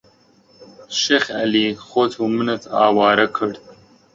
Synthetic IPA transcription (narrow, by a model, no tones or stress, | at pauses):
ʃexa̰lixoːt̪ʰumənat̪ʰɑ̰ːwɑːɾakʰəɽ